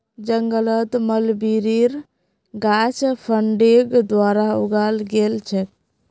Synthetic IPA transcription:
d͡ʒəŋɡələt̪məlbiɾiɾ | ɡat͡ʃʰpʰəɳɖiɡd̪ʋaɾauɡalɡelt͡ʃʰɛk

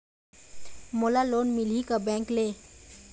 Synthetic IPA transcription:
molaloːnmɪlikabɛ̃ːŋkleː

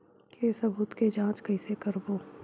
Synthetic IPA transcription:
kesɐbuːt̪ked͡ʒãːt͡ʃkɐisekɐɾboː

